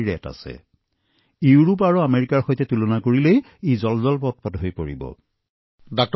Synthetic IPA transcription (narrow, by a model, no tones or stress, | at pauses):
ɹɛ̰ta̰sɛ̰ | juɹupaɹuameɹikaɹxojtɛtulɔnakoɹilej | ejzɔlzɔlpɔt̚pɔtɦojpoɹḭbɔ̰ | dɔk̚t